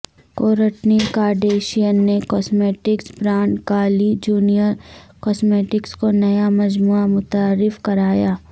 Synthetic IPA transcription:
koːɾəʈnikaːɾɖeːʃijənːekɔːsmeːʈɪksbɾãːɳɖkaːlid͡ʒuːnijəɾkɔːsmeːʈɪkskonɐjamɐd͡ʒmuːamʊt̪aːɾːɪfkɐɾaːjaː

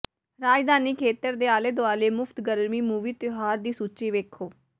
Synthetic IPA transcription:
ɾaːd͡ʒd̪aːniːkʰeːt̪əɾd̪eːaːleːd̪ʊaːleːmʊpʰt̪ɡəɾmiːmuːʋiːt̪ɪɦaːɾd̪iːsuːt͡ʃiːʋeːkʰoː

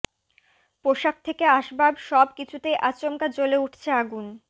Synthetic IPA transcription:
poʃak̚t̪ʰekeaʃbabʃɔbkit͡ɕʰut̪ejʔat͡ɕomkat͡ɕoleuʈʰt͡ɕʰeaɡun

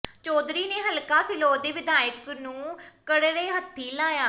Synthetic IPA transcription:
t͡ʃɔːd̪ɾiːneːɦəlkaːpʰɪloːd̪eːʋɪd̪aːjəknũːkəɽɾeːɦət̪ʰːiːlaːjaː

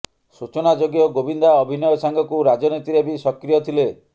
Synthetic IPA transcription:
sut͡ʃɔnad͡ʒoɡjɔɡobind̪aɔbʱinɔjɔsaŋɡʱɔkuɾad͡ʒɔnit̪iɾebisɔkɾijɔt̪ʰile

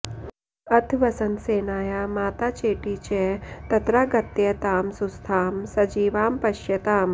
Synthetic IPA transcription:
ɐt̪ʰʋɐsɐnseːnaːjamaːt̪aːt͡ʃeːʈiːt͡ʃet̪ɐt̪ɾaːɡɐt̪jet̪aːmsust̪ʰaːmsɐd͡ʒiːʋaːmpɐʃjɐt̪aːm

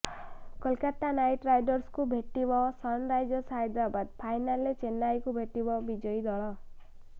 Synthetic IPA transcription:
kʌlkat̪anajʈɾajɖɔɾskubʱeʈibɔsɔnɾajd͡ʒɔsajd̪ɾabad̪̚pʰajnalːet͡ʃenajkubʱeʈibɔbid͡ʒɔjd̪ɔɭɔ

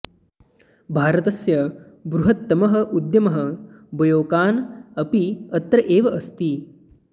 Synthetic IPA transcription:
bʱaːɾɐt̪ɐsjɐ | bɾuɦɐt̪ːɐmɐɦɐ̆ʔud̪jɐmɐɦɐbɐjoːkaːnɐpiɐt̪ɾɐʔeːʋɐʔɐst̪i

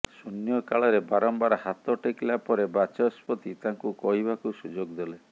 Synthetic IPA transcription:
sunjɔkaɭɔɾebaɾɔmbaɾhat̪ɔʈeklapɔɾebat͡ʃɔspɔt̪it̪aŋkukɔɦibakusud͡ʒoɡd̪ele

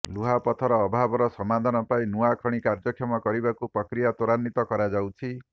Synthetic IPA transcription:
luɦapɔt̪ʰɔɾɔːbʱabɔɾɔsɔmad̪ʱɔnɔpaĩnuakʰɔɽ̃ikaɾd͡ʒɔkʰjɔmɔkɔɾibakupɾɔkɾijat̪uɾanːit̪ɔkɔɾad͡ʒawt͡ʃʰi

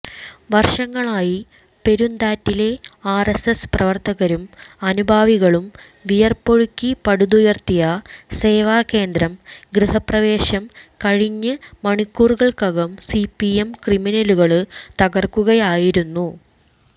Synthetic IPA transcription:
ʋɐrʂɐŋːɐɭaːji | pe̞ɾund̪aːtːile̞aːresesprɐʋɐrt̪ɐɣɐɾumɐnubʱaːʋiɣɐɭum | ʋijɐrpo̞ɻukʲːipɐɽud̪ujɐrt̪ijɐse̞ːʋaːke̞ːnd̪ɾɐmɡɾihɐprɐʋe̞ːɕɐmkɐɻiɲːɨmɐɳikːuːrɣɐɭkɐɣɐmsipiemkriminɐluɣɐɭɨt̪ɐɣɐrkːuɣɐjaːjiɾunːu

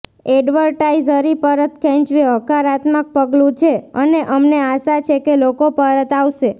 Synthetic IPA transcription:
ɛɖʋəɾʈaizəɾipəɾət̪kɛ̃ɲt͡ʃʋiɦəkaɾat̪mək̚pəɡlũt͡ʃʰeəneʔəmneaʃat͡ʃʰekelokopəɾət̪aʋʃe

